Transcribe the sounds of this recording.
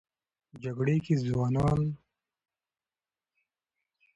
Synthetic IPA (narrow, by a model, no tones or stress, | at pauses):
d͡ʒaɡɽekizwɑːnɑːn